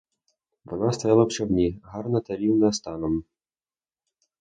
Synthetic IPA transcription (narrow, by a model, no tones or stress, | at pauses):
ʋɔnast̪ɐjɑlˠɐpt͡ʃɔwnʲiɦɑrnɐt̪ɐɾʲiwnɐst̪ɑnɔm